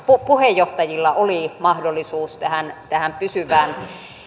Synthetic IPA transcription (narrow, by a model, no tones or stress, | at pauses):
pupuhejjoht̪ɑjilːɑʔolimɑhdolːˑisuːst̪æhænt̪æhæmpysyʋæːn